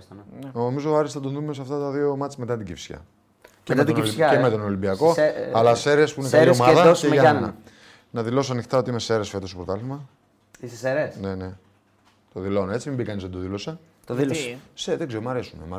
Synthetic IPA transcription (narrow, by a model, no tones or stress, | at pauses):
stɐnnomizoɐɾist̪ɐd̪onðumes̬ɐft̪ɐt̪ɐðiomɐt͡simet̪ɐt̪iɟifsçɐ̰ | mɐt̪iemet̪o̞nolimbiɐko̞ɐlɐseɾeɐspuineiomɐðɐenɐ̰ | nɐðilo̞sɐnixt̪ɐo̞t̪iimeseɾesfe̞t̪ost̪opɾot̪ɐlimɐ | isseɾesnene | t̪oðilo̞neet͡simimbikɐnizðed̪oðilo̞sɐ | t̪ðilsseðeɡzeɾomɐɾe̞sunemɐ